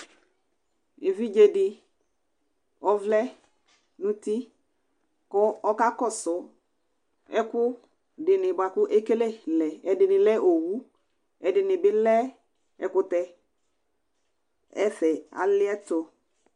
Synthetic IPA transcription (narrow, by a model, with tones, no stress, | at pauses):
ɪ˨vi˦d͡ʒe˨dɪ˨ | ɔ˦vlɛ˦ | nʊ̃˦ti˦ | kɔ˨˦ɔ˦ka˦kɔ˦˨sɔ˨ | ɛ˦kʊ˦ | dɪ˨nɪ˨ba˨kʊ˦ʔe˦ke˦le˦lɛ˨ɛ˨dɪ˨nɪ˨lɛ˦ʔo˨wu˦ | ɛ˨dɪ˨nɪ˨bɪ˦lɛ˦ | ɛ˨kʊ˦tɛ˦ | ɛ˦fɛ˨a̰˨lɪ˦ɛ˦tɔ˨